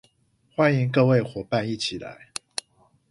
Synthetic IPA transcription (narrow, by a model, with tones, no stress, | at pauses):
xwa˦ni˨˦ŋkɤ˥˧we˥˨ɪxwɔ˨˥pa˥˧ni˥˨t͡ɕʰi˨˩la̰˨˦ɪ